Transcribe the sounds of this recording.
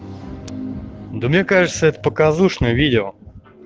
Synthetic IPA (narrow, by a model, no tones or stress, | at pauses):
d̪omnʲekaʐɨt̪səɛt̪ə̥pəkazuʂnəjəvʲidʲɪo